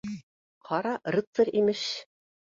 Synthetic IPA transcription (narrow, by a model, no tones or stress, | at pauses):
qʰɑɾɑrɤ̆t̪sɤɾimɘʃ